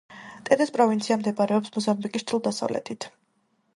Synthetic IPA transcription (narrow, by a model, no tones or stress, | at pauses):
t̪ʼɛd̪ɛspʼɾɔvint̪sʰiamd̪ɛbaɾɛɔpsmɔzambikʼist̪ʰulˠd̪asa̰vlɛ̰t̪ʰit̪ʰ